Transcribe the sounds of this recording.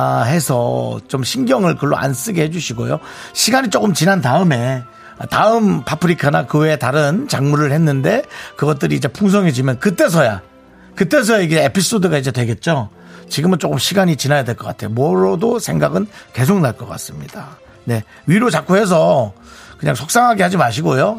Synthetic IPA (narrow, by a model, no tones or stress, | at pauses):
he̞sʰʌt͡ɕomɕʰinɡjʌŋɯɭkɯɭːo̰ʔa̰ns͈ɯɡe̞he̞d͡ʑuɕʰiɡo̰joɕʰiɡaɲit͡ɕ͈ok͈ɯmt͡ɕinandaɯme̞ | taɯmpapʰɯɾikʰanakɯwetaɾɯnt͡ɕaŋmuɾɯɭhe̞nːɯnde̞kɯɡʌt̚t͈ɯɾiːd͡ʑe̞pʰuŋs̬ʰʌŋɦe̞d͡ʑimjʌnkɯt͈e̞s̬ʰʌja | kɯt͈e̞s̬ʰʌjaiɡeepʰis͈odɯɡaid͡ʑe̞dwe̞ɡe̞t̚t͡ɕ͈o | t͡ɕiɡɯmɯnt͡ɕ͈ok͈ɯmɕʰiɡaɲit͡ɕinajadwe̞ɭk͈ʌk͈atʰe̞jomwʌɾʌdosʰe̞ŋɡaɡɯnke̞s̬ʰoŋnaɭk͈ʌk͈a̰s͈ɯmɲida | ne̞ | ɥiɾot͡ɕak͈uɦe̞s̬ʰʌ | kɯɲaŋsʰok̚s͈aŋɦaɡe̞had͡ʑimaɕ̬ʰiɡojo